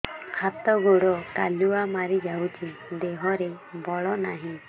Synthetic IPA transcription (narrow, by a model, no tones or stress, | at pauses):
kʰat̪ɔɡoɽɔkaluamaɾid͡ʒawt͡ʃʰid̪eɦɔɾe | bɔɭɔnaɦĩ